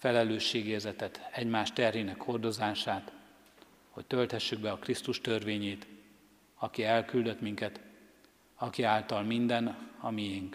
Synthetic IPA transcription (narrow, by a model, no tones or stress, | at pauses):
fɛlɛløːʃːeːɡeːrzɛt̪ɛt̪ɛɟmaːʃt̪ɛrɦinɛkho̞rd̪o̞zaːʃaːt̪ | ho̞̰c̚t̪ø̞lt̪hɛʃːyɡ̚bɛɒkrist̪uʃt̪ørveːɲeːt̪ | ɒkiɛlkyld̪ø̞t̪miŋkɛt̪ | ɒkiaːlt̪ɒlmind̪ɛnɒmijiŋk